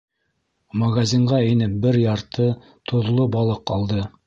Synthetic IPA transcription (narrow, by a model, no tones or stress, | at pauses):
mɐɡazʲiɴʁɑĭnɘp̚bɘɾjɑɾt̪ɤ | t̪ʰŏðlˠobɑlˠɤqɑlˠd̪ɤ